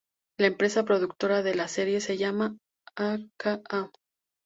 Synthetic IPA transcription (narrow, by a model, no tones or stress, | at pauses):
laempɾe̞sapɾo̞ðuk̚t̪o̞ɾaðe̞lase̞ɾje̞se̞ʝama | akaa